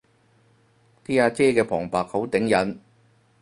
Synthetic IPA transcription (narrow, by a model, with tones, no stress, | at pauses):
t̪ʰiː˥aː˧t͡sɛː˥kɛː˧pʰɔː˨˩ŋpaː˨k̚ho˨˥wt̪ɪ˨˥ŋjɐ˨˥n